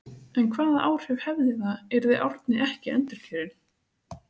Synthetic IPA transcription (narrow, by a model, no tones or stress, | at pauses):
ɛnkʰvaːðaʔaːwɾ̥hɛv̥hɛvðɪθaɛɾðejʔɔɾt̪nɪʔɛhcɪɛnt̪ɪɾ̥fʰɛːɾɪn